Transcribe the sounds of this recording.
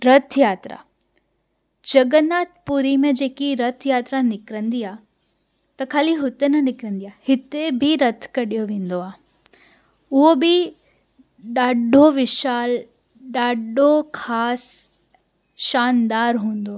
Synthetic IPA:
ɾɐt̪ʰjaːt̪ɾa̰ | d͡ʑɐɡənaːt̪̚puɾimẽd͡ʑeːkiɾɐt̪ʰjaːt̪ɾanɪkɾə̃nd̪iaː | t̪ɐkʰaːliɦʊt̪enɐnɪkɾə̃nd̪ijaːhɪt̪ebʱiɾɐt̪ʰkɐɗijoʋẽːnd̪oaː | ʊɦobɪ | ɗaːɖʱoʋɪʃaːl | ɗaːɖokʰaːs | ʃaːnd̪aːɾɦũːn̆d̪oaː

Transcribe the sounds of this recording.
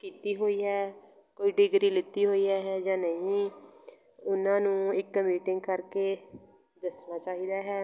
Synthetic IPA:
kiːt̪iːɦoːiːɦɛː | koːiːɖɪɡɾiːlɪt̪iːɦoːiːɦɛːɦɛːd͡ʒãːnəĩː | ʊnãːnũːɪkːəmiːʈɪŋɡkəɾkeː | d̪ɪsnaːt͡ʃaːɦiːd̪aːɦɛː

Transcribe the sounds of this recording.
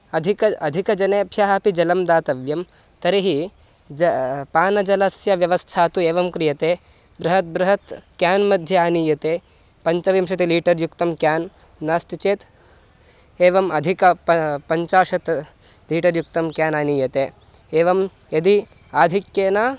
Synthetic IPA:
ɐd̪ʱikɐɐd̪ʱikɐd͡ʒɐneːpʃaːɦɐpid͡ʒɐlɐmd̪aːt̪ɐʋjɐm | t̪ɐɾiɦi | d͡ʒɐpaːnɐd͡ʒɐlɐsjɐʋjɐʋɐst̪ʰaːt̪ueːʋɐmkɾijɐt̪eː | bɾɐɦɐt̪̚bɾɐɦɐt̪kjaːnmɐd̪ʱjɐaːniːjɐt̪eː | pɐɲt͡ʃɐʋimʃɐt̪iliːʈɐɾjukt̪ɐmkjaːnː | aːst̪it͡ʃeːt̪ | eːʋɐmɐd̪ʱikɐppɐɲt͡ʃaːʃɐt̪ | liːʈɐɾjuk̚t̪ɐmkjaːnaːniːjɐt̪eː | eːʋɐm | jɐd̪i | aːd̪ʱikjeːnaː

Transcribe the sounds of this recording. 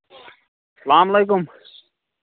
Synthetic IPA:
sɐlaːmɐleːkʊm

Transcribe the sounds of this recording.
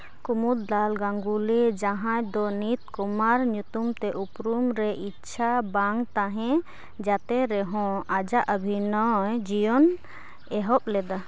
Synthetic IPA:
kumut̪̚d̪alɡaŋɡulid͡ʒaɦãjd̪ɔnit̪̚kumaɾɲut̪umt̪ɛʔupɾumɾɛʔitːʃʰabaŋt̪aɦɛ̃ | d͡ʒat̪ɛɾɛɦɔ̃ad͡ʒaʔəbʱinɔjd͡ʒijɔn | ɛɦɔp̚lɛd̪a

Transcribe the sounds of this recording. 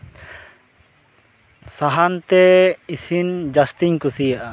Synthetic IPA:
saɦant̪ɛisind͡ʒast̪iɲkusijaʔa

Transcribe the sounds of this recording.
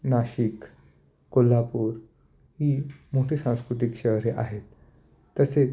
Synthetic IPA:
naɕik | kolːapuːɾ | hiːmoʈʰiːsãw̃skɾut̪̬ikɕəɦɾeʔa̰ɦet̪ː | əse

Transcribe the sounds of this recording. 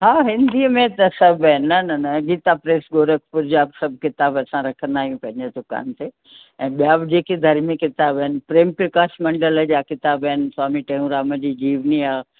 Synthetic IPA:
ɦaːɦɪ̃nd̪iəmẽt̪ɐsɐbɐɦɪnːɐnɐnɐɡiːt̪apɾeːsɡoːɾəkʰpʊɾd͡ʑaːbsɐb̚kɪt̪aːbɐsãɾɐkʰə̃nd̪aːɦiũpɐ̃ɦɪ̃ɲd͡ʑed̪ʊka̰ːnt̪e | ɛ̃ːɓijaːbd͡ʑeːked̪ʱɐɾmikɪt̪aːbɐɦɪnpɾeːmpɾekaːʃmɐ̃ɳɖələd͡ʑaːkɪt̪aːbɐɦɪnswaːmiʈɐ̃ɦũɾaːmə̃d͡ʑiːd͡ʑiːʋniaː

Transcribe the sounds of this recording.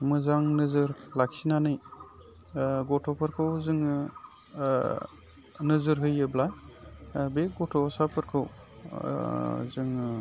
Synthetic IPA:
mɯzaŋnɯzɯɾlak̚sinanɯj | ɡɔtʰɔpʰɯɾkʰɯwzɯŋ | nɯzɯɾɦɯjɯblaj | beɡɔtʰɔsapʰɯɾkʰɯw̰ | zɯŋ

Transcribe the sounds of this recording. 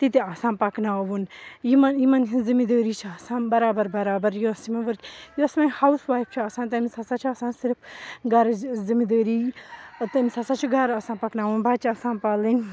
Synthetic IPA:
t̪it̪iɐsãːpɐknaːʋunjimɐnjimɐnɦizimid̪əːɾiːt͡ʃʰiɐsãːnbɐɾaːbɐɾbɐɾaːbɐɾjuɐsimɐ̃ʋɐɾkʲjuɐsmɐ̃hausʋaːjp̚ʰt͡ʃʰiɐsãːnt̪̬ɐmisɐsaːt͡ʃʰiɐsãːnsiɾpʰɡɐɾzimid̪əːɾiːt̪ɐmisɐsaːt͡ʃʰiɡʱɐɾɐsãːnpɐknaːʋunbaːt͡ʃʰiɐsãːnpaːlin

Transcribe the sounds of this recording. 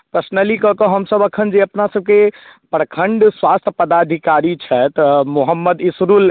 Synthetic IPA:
pɾəsnəlikəkəɦəmsəbəkʰənd͡ʒeəpnasəb̚ke | pəɾəkʰəɳɖswast̪ʰəpəd̪ad̪ʱikaɾit͡ʃʰɛt̪muɦəmːəd̪isɾul

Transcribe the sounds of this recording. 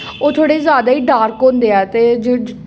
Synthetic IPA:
oːt̪ʰoːɽeːzjaːd̪aːiːɖaːɾkɦõːnd̪eːɛːt̪eːd͡ʒ

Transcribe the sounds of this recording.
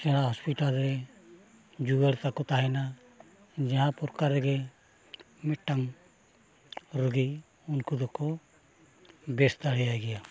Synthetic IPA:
sɛnaɦɔspiʈalɾɛ | d͡ʒuɡəɽt̪akɔt̪aɦɛna | d͡ʒaɦãpɔɾkaɾɛɡɛ | mɛʈːam | ɾəɡi | unkud̪ɔkɔ | bɛst̪aɽ̤ɛjaɡɛja

